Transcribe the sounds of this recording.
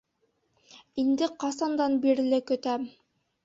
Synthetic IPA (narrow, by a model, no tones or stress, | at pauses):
ind̪ɘqɑsɑnd̪ɑnbiɾ̆lɘkɵ̆t̪æm